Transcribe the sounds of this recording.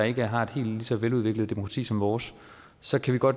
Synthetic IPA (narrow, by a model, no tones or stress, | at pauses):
ɑ̈e̝ɡ̥əɦɑ̈e̝d̥he̝̰ːld̥lisɒ̽ʋeluð̞ˠʋe̝ɡ̥ləð̞̩ˠd̥emo̝kʰʁɑ̈t͡sʰḭːsɒ̽mʋɒːs | sɒ̽kʰæʋiɡ̥ɒ̽d̥